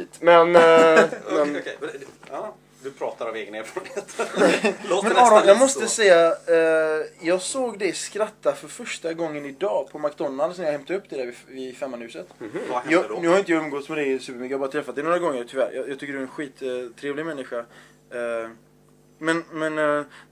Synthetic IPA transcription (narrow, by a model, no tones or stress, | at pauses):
t̪mɛn | mɛn | d̪ɵpʰɾɑːt̪aɾaveːɡəneːɾfɔɾnhet̪ː | mɛjɑmɔst̪əsɛjːa | jɑːɡsoːɡd̪ɛskɾat̪ːafœɾfœʂʈaɡɔŋːənɪd̪ɑːpʰɔmakd̪ɔnːalsnɛɾjahɛmt̪aɵpːd̪ɛd̪æːɾvɪɪfɛmːanhʉːsət̪jɑnʉhaɾɪnt̪əjɑɵmɡɔt̪smɛd̪ɛsʉ̟pəɾmʏkːjabɑɾat̪ʰɾɛfːat̪d̪ɛnoːɾaɡɔŋːəɾt̪ʰʏvæ̰ːɾjɑjɑːt̪ʰʏkːəɖdɵɛnɧiːt̪ʰːɾeːvlɪɡmɛnːɪɧa | mɛnmɛn